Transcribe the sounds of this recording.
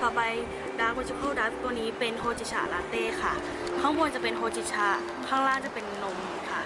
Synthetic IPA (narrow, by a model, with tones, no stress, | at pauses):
kʰa˧˩pa˧j | daː˧˥k̚o˧˥t͡ɕʰa˧˩pʰuː˥˩daː˧˩t̪u˧ə˨niː˦˥pe˧nɦoː˧˩t͡ɕʰi˧t̚t͡ɕʰa̰ː˧˩˨laː˨˧˥t̪eː˧˩˨kʰa˥˩ | kʰa˦˥wmuː˧t͡ɕa˧˩pe˧˨nɦoː˧t͡ɕi˧t̚t͡ɕʰaː˧˩ | kʰaː˥˩ŋlaː˥˩ŋt͡ɕa˨˧˨pe˨nːo˧˩m˧kʰa˧˥˩